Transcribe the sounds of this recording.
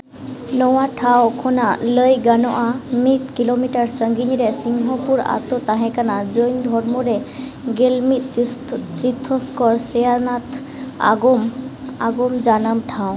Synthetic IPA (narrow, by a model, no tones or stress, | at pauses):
nɔwaʈʰawkʰɔnaləjɡanɔʔamit̪̚kilomiʈaɹsəŋɡiniɾɛsiŋɦɔpuɾa̰t̪ɔt̪aɦɛ̃kanazojnd̪ʱɔɹmɔɾɛ | ɡelmit̪̚tɾit̪ʰːɔskɔɹsɾɛjanat̪ʰ | a̰ɡɔmaɡɔmd͡ʒanəmʈʰãw̃